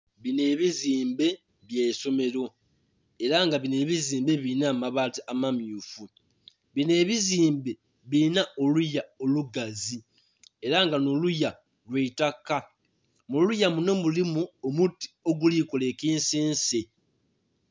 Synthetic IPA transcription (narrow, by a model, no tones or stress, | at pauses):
βine̞ːβiziːmbe̞ | βjeːso̞me̞ɾo̞ | e̞ɾaŋɡaβine̞ːβiziːmbe̞βinaːmaβatiamamjuːfu | βine̞ːβiziːmbe̞ | βinao̞lujao̞luɡazi | e̞ɾaŋɡanoluja | lweitakːa | molujamuno̞mulimuomutːi̥o̞ɡulikole̞kiːnseːnse